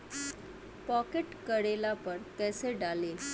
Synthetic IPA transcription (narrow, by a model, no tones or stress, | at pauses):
pɔkeʈkəɽelapəɾkɛseɖalel